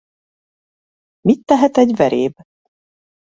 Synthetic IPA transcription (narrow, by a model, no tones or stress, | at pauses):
mit̪ːɛɦɛt̪ɛɟvɛɾʔḛːb